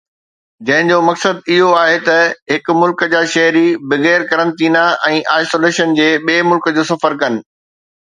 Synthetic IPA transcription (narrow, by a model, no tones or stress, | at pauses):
d͡ʑɐ̃ɦɪ̃ɲd͡ʑomɐksəd̪̚ɪɦoaːɦet̪ɐɦɪk̆mʊlkd͡ʑaːʃɐɦɾibɪɣɛːɾkɐɾə̃nt̪iːnaʔɛ̃ːʔaːisoːleːʃənd͡ʑeːɓeːmʊlkəd͡ʑoːsɐfəɾkɐnɪ̆